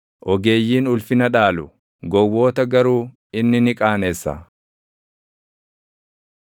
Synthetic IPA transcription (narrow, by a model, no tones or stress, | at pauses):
ʔɔɡe̞ːjːiːnʊlfɪnɐᶑaːlʊ | ɡɔwːo̞ːt̪ɐɡɐɾuː | ɪnːɪnɪkʼaːneːsːɐ̰